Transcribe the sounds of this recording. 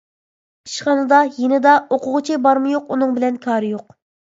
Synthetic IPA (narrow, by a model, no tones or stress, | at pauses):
iʃχɑnɨd̪ɑjenɪd̪ɑoqʊʁʊt͡ʃʰɪbɑɾmɨjoqunɨŋbɪlɛnkʲʰɑːɾɨjoq̚